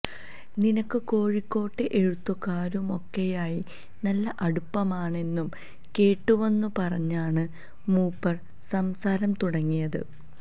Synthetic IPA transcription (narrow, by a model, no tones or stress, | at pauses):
ninɐkːɨko̞ːɻikːo̞ːʈːɨʔeɻut̪ːukːaːɾumo̞kːejaːji | nɐlːɐʔɐɽupːɐmaːɳe̞nːum | ke̞ːʈːume̞nːupɐrɐɲːaːɳɨ | muːpːɐr | sɐmsaːɾɐmt̪uɽɐŋːijɐðɨ̰